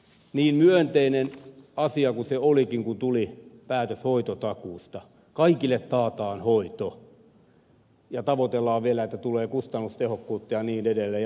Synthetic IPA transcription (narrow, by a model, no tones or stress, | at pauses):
niːmmyønt̪einenɑsiɑkuseolikiŋkunt̪ulipæːt̪øshoit̪ot̪ɑkuːst̪ɑ | kɑikilːˑet̪t̪ɑːt̪ɑːnhoit̪o | jɑt̪ɑʋot̪elːɑːʋʋielæet̪ːæt̪uleːkust̪ɑnːust̪ehokːuːt̪ːɑjɑniːnedelːej